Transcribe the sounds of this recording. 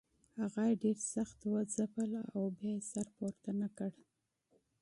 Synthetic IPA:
haɣajeɖeɾsaxt̪wəzapəla̰wbjɑjesaɾpoɾt̪anakəɽ

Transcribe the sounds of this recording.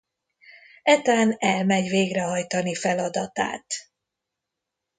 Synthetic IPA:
ɛt̪aːnɛlmɛɟveːɡrɛɦɒjt̪ɒnifɛlɒd̪ɒt̪a̰ːt̪

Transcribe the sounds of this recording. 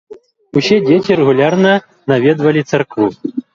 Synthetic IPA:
usʲɛd͡zʲet͡sʲiɾɛɣulʲarnɐ | navʲɛd̪vɐlʲit̪sɐrkvu

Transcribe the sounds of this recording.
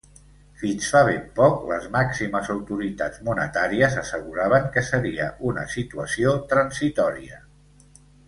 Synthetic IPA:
finsfaβempɔklə̰zmaksiməzəwt̪uɾit̪a̰d͡zmunət̪aɾiəzəsəɣuɾaβ̞əŋkəsəɾiə̰ʔunə̰sit̪uəsiot̪ɾənzit̪ɔɾiə

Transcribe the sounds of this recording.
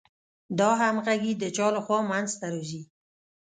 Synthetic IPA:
d̪ɑɦamɣaɡid̪ət͡ʃɑləxwɑmanzt̪aɾozi

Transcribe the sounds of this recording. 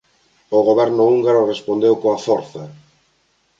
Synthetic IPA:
oɣoβɛɾnʊuŋɡaɾʊrespond̪ewkoafɔɾθɐ

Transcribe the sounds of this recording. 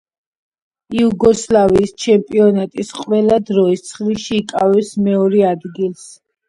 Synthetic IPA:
iuɡɔslaviːst͡ʃʰɛmpʼiɔnat̪ʼisqʼwɛlad̪ɾɔist̪sʰχliʃiːkʼavɛsmɛɔɾɛad̪ɡilˠs

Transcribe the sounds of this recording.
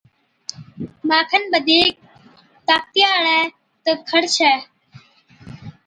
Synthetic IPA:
maːkʰənɓəd̪ʱiːk̚ | t̪aːk̚t̪ɪjaːɽɛː | t̪əkʰəɽt͡ʃʰɛː

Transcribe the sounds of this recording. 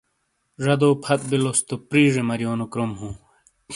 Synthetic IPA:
ʐɐd̪oːpʰɐt̪̚bilost̪opɾiːʐemɐɾijoːnokɾomhũː

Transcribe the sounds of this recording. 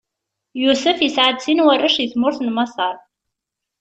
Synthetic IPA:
jusɨfisʕad̪sinwɐrəʂiθmʊrθnmɐsɑrˤ

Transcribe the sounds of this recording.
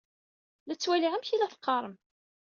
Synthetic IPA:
læt͡sːwæliʕamçilæθə̥qːɑɾˤəm

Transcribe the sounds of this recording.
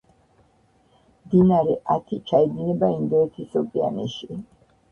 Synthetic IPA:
md̪inaɾɛʔat̪ʰit͡ʃʰaid̪inɛbaind̪ɔɛt̪ʰisɔpʼia̰nɛʃi

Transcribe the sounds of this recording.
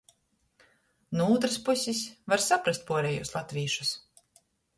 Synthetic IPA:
nuuːt̪̬ɾɨspusʲisvaɾsapɾast̪̚puɔɾɛjuslˠat̪ʲvʲiːʃu̥s

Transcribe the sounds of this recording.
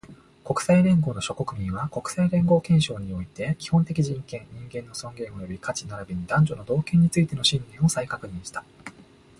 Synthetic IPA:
ko̞kɯ̟̥saiɾẽ̞ŋɡo̞ːno̞ɕo̞ko̞kɯ̟mʲĩɰ̃βako̞kɯ̟̥saiɾẽ̞ŋɡo̞ːkẽ̞ɰ̃ɕo̞ːɲ̟io̞it̪e̞kʲi̥hõ̞nt̪e̞k̬ʲiʑĩŋkẽ̞nɲĩŋɡẽ̞nːo̞sõ̞ŋɡẽ̞ɰ̃o̞jo̞bʲikat͡ɕinaɾabeɲ̟id̪ãɲ̟d͡ʑo̞no̞d̪o̞ːkẽ̞ɲ̟ːit͡sɨit̪e̞no̞ɕĩnd̪ẽ̞ɰ̃osaikakɯ̟ɲ̟ĩɰ̃ɕi̥t̪ḁ

